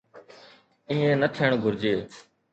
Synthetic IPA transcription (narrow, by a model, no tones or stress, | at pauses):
iːẽːnət̪ʰɪəɳɡʱʊɾd͡ʒeː